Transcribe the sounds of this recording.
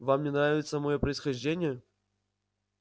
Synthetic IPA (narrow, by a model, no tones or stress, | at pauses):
vamnʲɪnɾavʲɪt̪səmɐjopɾəɪsxɐʐdʲenʲɪjə